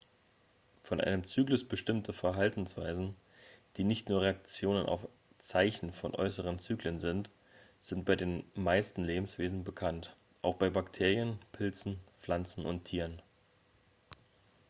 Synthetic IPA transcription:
fɔnʔa̰ɪnəmt͡syːklʊsb̥əʃtɪmtəfɛɐɦaltn̩sv̥a̰ɪzn̩ | d̥iːnɪçtnuːɐʁeakt͡sjoːnənʔa̰ʊf | t͡saɪçn̩fɔnʔɔ̰ʏsəʁ̞ənt͡syːklənzɪnt | z̥ɪntb̥aɪdeːnmaɪstn̩leːbm̩sv̥eːzn̩bəkʰant | ʔaʊxb̥aɪbaktʰeːʁiənpʰɪlt͡sn̩flant͡sn̩ʔʊ̰ntʰiːʁn

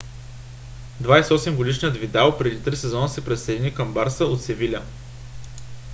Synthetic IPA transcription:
d̪vajsɛɔsɛmɡod̪iʃnijət̪vid̪alˠpɾɛd̪it̪ɾisɛzɔnəsɛpɾɛt̪sɛd̪ʲinikəmbaɾsəot̪sɛvilʲə

